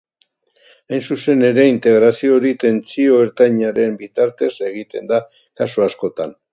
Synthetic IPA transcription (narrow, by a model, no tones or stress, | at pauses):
ajnsuse̞ne̞ɾe̞int̪e̞ɣɾasio̞ɾit̪e̞nt͡sio̞eɾt̪aɲaɾe̞mbit̪aɾt̪e̞se̞ɣ̞it̪e̞nd̪a | kasuasko̞t̪an